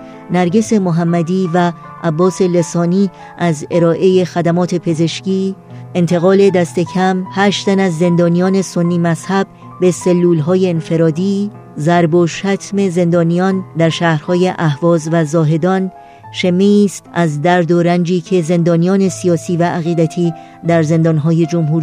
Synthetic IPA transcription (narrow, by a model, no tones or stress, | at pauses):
næɾɟe̞se̞moɦæmːæd̪iːvæ | ʔæbːɒːse̞le̞sɒːniː | ʔæze̞ɾɒːʔe̞je̞xæd̪æmɒːt̪ʰe̞pʰe̞ze̞ʃciː | e̞nt̪ʰe̞ɣɒːle̞d̪æst̪e̞cʰæmhæːʃt̪t̪ænæzːe̞nd̪ɒːnijɒːne̞so̞nːiːmæzhæb̥̚ | be̞selːuːlɦɒːje̞ːnfe̞ɾɒːd̪iː | zæɾboʃæt̪ʰme̞ze̞nd̪ɒːnijɒnd̪æɾʃæːhɾhɒːje̞ʔæhvɒːzvæzɒːɦe̞d̪ɒn | ʃemeːst̪ʔæzd̪æɾd̪oɾænd͡ʒiːcʰe̞ze̞nd̪ɒːnijɒːne̞sijɒːsiːvæʔːɣiːd̪æt̪ʰiː | d̪æɾze̞nd̪ɒnɦɒːje̞d͡ʒomɦuːɾ